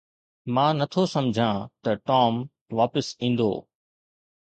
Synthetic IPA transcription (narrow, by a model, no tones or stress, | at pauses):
mãːnɐt̪ʰosɐmd͡ʑʱãːt̪ɐʈɔːm | ʋaːpəsĩːn̆d̪o̰ː